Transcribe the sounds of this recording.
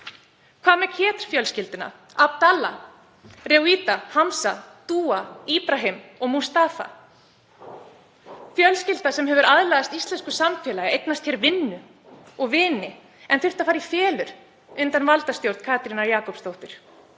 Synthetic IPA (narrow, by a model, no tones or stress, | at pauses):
kʰvaːðmɛcʰɛːt̪ɾ̥fjœlscɪlt̪ɪna̰ | ap̚t̪ala | rɛwiːt̪ahamsat̪uːaiːpɾaɦɪmɔɣmust̪aːfa̰ | fjœlscɪl̥t̪asɛmɦɛvʏɾaðlaðast̪ist̪lɛnskʏsamfjɛːlajɪejknast̪hɛɾvɪnːʏ | ɔɣvɪːnɪ | ɛnθʏr̥t̪afaːɾifjɛːlʏɾ̥ | ʏnt̪anvalt̪ast̪jowɾt̪kʰaːt̪ɾinaɾjaːkɔwpst̪owht̪ʏɾ̥